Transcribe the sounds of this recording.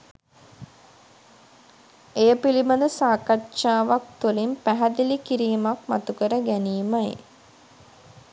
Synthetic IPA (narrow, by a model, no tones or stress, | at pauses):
ejəpiliməd̪əsaːkatʃaːʋak̚t̪ulimpæɦæd̪ilikiɾiːmakma̰t̪ukəɾəɡæniːmaj